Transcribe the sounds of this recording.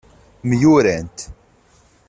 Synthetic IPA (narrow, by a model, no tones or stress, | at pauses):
mjuɾænt̪